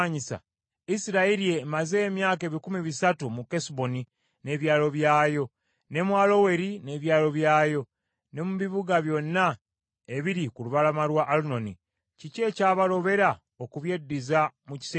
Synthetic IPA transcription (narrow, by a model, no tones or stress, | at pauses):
ɲisa̰ | isiɾaiɾiemaze̞ːmjaːke̞ːβikumiβisatumukesbo̞ni | ne̞βjaːlo̞βjaːjo̞ | ne̞mwaːlo̞we̞ɾine̞βjaːlo̞βjaːjo̞ | ne̞muβiβuɡaβjo̞nːa | e̞βiɾikuluβalamalwaʔːluno̞ni | cice̞ːcaːβalo̞βe̞ɾa | okuβje̞dːizamuci̥s